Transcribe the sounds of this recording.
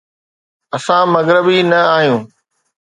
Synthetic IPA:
ɐsãmɐɣɾɪbinɐaːɦijũː

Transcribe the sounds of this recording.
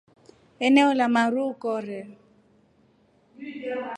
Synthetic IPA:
ɛnɛɔlamaɾukɔɾɛ

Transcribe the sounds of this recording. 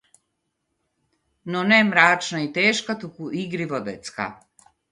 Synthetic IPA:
nonemɾaːt͡ʃnait̪eːʃkat̪ukuʔiɡɾiʋod̪et̪ska̰

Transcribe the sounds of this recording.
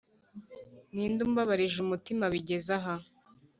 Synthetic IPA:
niːnduːmbaβaɾiʒumutimaβiɟe̞zaɦa

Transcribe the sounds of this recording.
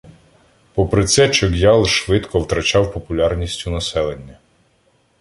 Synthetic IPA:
pɔpɾɪt̪sɛt͡ʃɔɡjɑlˠʃʋɪt̪kʰɔwt̪ɾɐt͡ʃɑwpɔpʊlʲɑrnʲisʲtʲʊnɐsɛlˠenʲːɐ

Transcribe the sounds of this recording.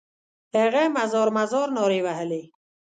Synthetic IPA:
eɣɛːmazoːɾmazɔːɾnoːɾiːwaɦəli

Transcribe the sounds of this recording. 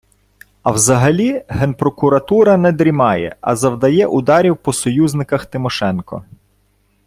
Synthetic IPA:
ɐwzɐɦɐlʲiɦɛnpɾɔkʊɾɐt̪uɾɐnɛd̪ɾʲimɑjɛ̰ɐ̰zɐwd̪ɐjɛʔʊd̪ɑɾʲiwpɔsɔjuznɪkɐxt̪ɪmɔʃɛnkɔ̰

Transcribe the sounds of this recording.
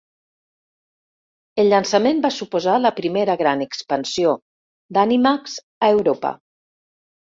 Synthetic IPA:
elʎansəmembasupuzaləpɾimeɾəɣɾanəkspənsio | d̪animakz | aewɾopə̰

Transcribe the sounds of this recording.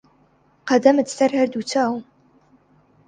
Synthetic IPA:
qɐdɐmɨtsɐrħɐrduːt͡ʃʰaːw

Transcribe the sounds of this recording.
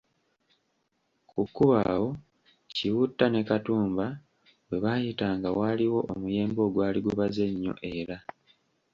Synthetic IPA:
kukːuβa̰wo̞ | ciwutːane̞katuːmba | we̞βaːjitaːŋɡawaːliwo̞ʔomuje̞ːmbo̞ːɡwaːliɡuβaze̞ɲːo̞̰ʔe̞ɾa

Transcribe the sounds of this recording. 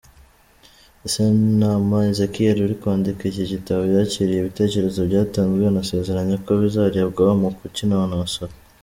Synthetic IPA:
esenamaezekieɾuɾikwaːndikiciɟitaβojaciɾijeβite̞ːce̞ɾe̞zoβɟaːtaːŋɡweanase̞ːze̞ɾaɲekoβizaɾiaβɡaβamukucinaβanaasoɾo

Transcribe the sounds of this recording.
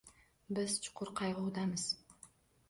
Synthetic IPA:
bɪz̥t͡ʃʰʊ̥qʊɾqʰɑjʁəud̪ɑməz̥

